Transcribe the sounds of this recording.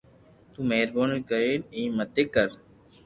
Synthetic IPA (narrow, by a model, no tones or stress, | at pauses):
t̪ũːmeːɾboːnkəɾeːnẽĩmət̪eːkəɾ